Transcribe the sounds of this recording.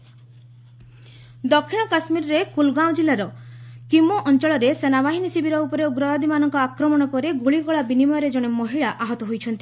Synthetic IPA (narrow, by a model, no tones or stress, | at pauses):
d̪ɔkʰːiɽ̃ɔkasmiɾɔɾekulɡaw̃d͡ʒilːaɾɔkimoʔɔnt͡ʃɔɭɔɾesenabaɦinisibiɾɔupɔɾeuɡɾɔɔd̪imanɔŋkɔakɾɔmɔɽ̃ɔpɔɾeɡuɭiɡɔɭabinimɔjɔɾed͡ʒɔɽ̃emɔɦiɭaʔaɦɔt̪ɔɦojt͡ʃʰɔnt̪i